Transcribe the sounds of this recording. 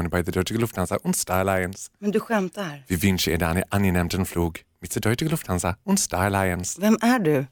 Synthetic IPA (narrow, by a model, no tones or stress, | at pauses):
ənbajd̪əd̪œʏtɪɡəlʊfthansaʔʊnt̪st̪aːlajənsmɛnd̪ɵɧɛmt̪aɾviːvʏnʃəɪːdanə̰ʔanjənɛmt̪ənfluːɡmɪt̪̚d̥̪ədœʏtɪɡəlʊft̪hansaʊnt̪st̪aːlaɪənsvɛmæɖɵ